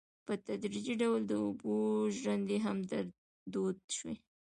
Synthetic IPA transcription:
pət̪ad̪ɾid͡ʒiɖawld̪əʊboʒwand̪eɦamd̪aɾ | d̪od̪ʃwḭ

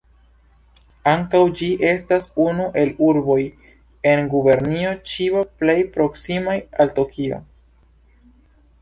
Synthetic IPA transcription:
aŋkawd͡ʒiʔe̞stasunuʔe̞luɾbo̞j | e̞nɡube̞ɾnio̞t͡ʃiople̞jpɾo̞ksimajalto̞kʰio̞̰

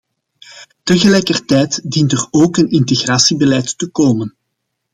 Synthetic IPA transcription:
təɣəlɛjkərtɛjtdintəroːkənɪnteɣraːsibəlɛjtːəkoːmən

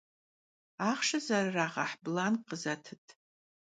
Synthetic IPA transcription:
aχʂazararaʁaħblanqʼəzatʰɨtʼ

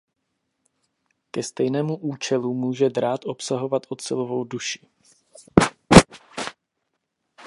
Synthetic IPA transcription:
kɛst̪ɛjnɛːmuʔuːt͡ʃɛlumuːʒɛd̪ɾaːt̪ʔo̞psaɦo̞vat̪ʔo̞t̪sɪlovo̞wduʃɪ̥

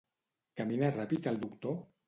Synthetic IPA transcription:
kaminarapit̪alˠd̪ukt̪o

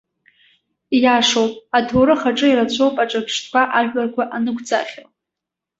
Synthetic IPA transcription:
jaʂowpʼatʰoɾɨχaʈ͡ʂʼɨiɾat͡ɕʷʰowpʼaʈ͡ʂʼapʰʂtʰkʷʰaʔaʒᶣʷarkʷʰaʔanɨkʷʰʼd͡za̰χʲal

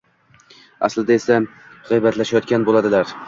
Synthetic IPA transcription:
a̰slɪd̪ae̞sa | ʁɑjbat̪laʃajɒt̪kʲanbolad̪ɪlaɾ

